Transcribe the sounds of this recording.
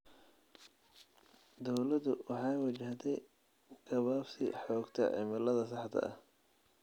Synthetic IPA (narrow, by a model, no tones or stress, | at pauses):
d̪ɔwlɐd̪ʊwɑħɑːwɑt͡ʃɐht̪ʰɛj | ɡ̥ɐβaːfsɪ̰ħɔːɡt̪ʰɐ̰ʕɪ̰mɪlɐðɐsɑħd̪ʰɐ̰ɐh